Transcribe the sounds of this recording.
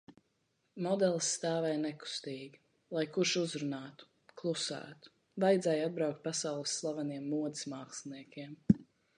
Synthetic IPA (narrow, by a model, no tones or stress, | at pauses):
mɔd̪ɛlˠsːt̪aːvɛjnɛku̥st̪iːɡʲi | lˠajkuɾʃuzɾunaːt̪u̥ | klˠusæ̰ːt̪u̥ | vajd̪zɛjad̪̚bɾawk̚t̪̚pasawlˠɨsːlˠavaniɛmːuɔd̪ismaːkslniɛkʲiɛm